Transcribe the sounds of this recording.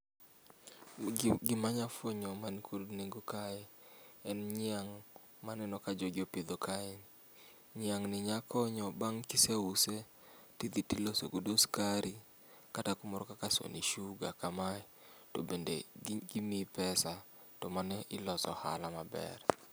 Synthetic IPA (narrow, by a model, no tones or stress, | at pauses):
ɡɪmaɲafwoɲɔmankʰodneɡokaɛ | ɛnɲɪaŋ | manɛnɔkad͡ʒoɡjopid̪okaɛn | ɲɪaŋnɪɲakʰɔɲɔbaŋkiseuse | tid̪itiloso̰ɡodoskaɾi | katakʊmɔɾɔkakaso̰niʃuɡa̰kamaɛto̰bendḛɡimipɛsa | tɔmanɛʔɪlɔsɔ̰ha̰lamabɛ̰r